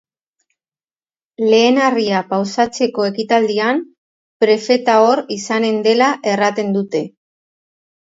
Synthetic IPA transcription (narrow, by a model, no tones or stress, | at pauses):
le̞ːnariapawsat͡se̞ko̞e̞kit̪ald̪iam | pɾe̞fe̞t̪ao̞ɾisane̞nd̪e̞laʔe̞rat̪e̞nd̪ut̪e̞